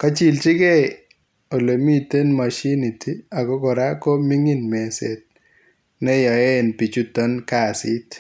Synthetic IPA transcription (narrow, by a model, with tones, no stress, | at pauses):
ka˦t͡ʃi˨lt͡ʃi˦kɛ˦ | o˨le˨mi˦te˦nma˨ʃi˦ni˨ti˦a˨kɔ˦kɔ˨ɾa˦kɔ˦mi˦ŋi˦nmɛ˨se˨t̚ | nɛ˦jɔ˨e˦npi˨t͡ʃu˦tɔ˦nka˦˨si˦t